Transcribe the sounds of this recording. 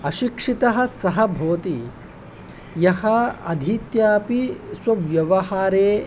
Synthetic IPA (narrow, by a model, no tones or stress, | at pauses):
ɐʃikʂit̪ɐɦɐ̆sɐɦɐbʱoːt̪i | jɐhɐɐd̪ʱiːt̪jaːpiswɐʋjɐʋɐɦaːɾeː